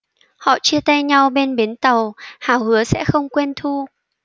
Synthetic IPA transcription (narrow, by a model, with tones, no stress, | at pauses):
hɔ̰˧˨t͡ɕɨ˧ət̪a˧jɲa˧wɓe˧nɓe˨˦nt̪ə˨˩whaː˨˩whɨ˨˦əsɛ̰˧˥xə˧wŋ͡mkwe˧nt̪ʰu˧